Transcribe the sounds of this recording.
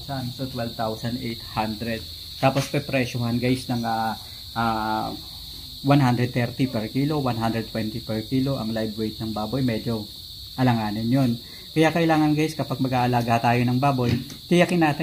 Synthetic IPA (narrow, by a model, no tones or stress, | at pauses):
sansot̪wɛlvt̪awsɐnd̪ʔejt̪hand̪ɾɛd̪̚ | t̪aːpo̞spɛpɾɛʃoɦɐnɡajsnɐŋa | ʔaː | wanɦand̪ɾɛd̪̚t̪ɛɾt̪ipɛɹkiːlo̞wanɦand̪ɾɛd̪̚wɛnt̪ipɛɹkiːlo̞ʔɐ̰ŋlajbwejt̪̚nɐŋbaːbojmɛd͡ʒo̞ | ʔɐlɐŋaːnɪnjon | kɐjaːkɐʔɪlaːŋɐnɡajskɐpaɡ̚mɐɡaːʔɐlaːɡat̪aːjonɐŋbaːbo̞j | t̪ɪjɐkɪnaːt̪ɪ